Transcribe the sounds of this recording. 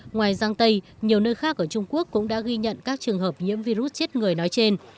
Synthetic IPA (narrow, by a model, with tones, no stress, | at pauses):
ŋwaː˨˩jzaː˧ŋt̪ə˧jɲi˨˩əwnəː˧jxaː˦˥k̚ʔəː˧˩t͡ɕʊ˧ŋ͡mku˦˥əkːʊ̰˧˥ŋ͡mɗa̰ː˧˥ɣi˧ɲə̰˧˨nkaː˦˥k̚t͡ɕɨ˨˩əŋɦəː˨˩p̚ɲḭ˧˥əmvi˧ɾu˦˥t̚t͡ɕe˦˥t̚ŋɨ˨˩əjnɔ˨˦jt͡ɕe˧n